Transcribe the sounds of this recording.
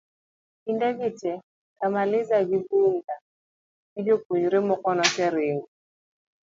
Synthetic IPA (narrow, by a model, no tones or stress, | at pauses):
indɛɡitɛ | kamalɪzaɡibunda | id͡ʒokuɲuɾemɔkɔnɔkɛɾɪŋɡɔ